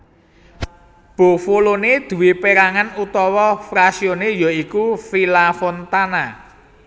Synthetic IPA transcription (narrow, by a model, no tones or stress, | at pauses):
b̥o̤foloned̪̥ṳwepeɾaŋanut̪ɔwɔfɾasionejɔikufilafont̪ana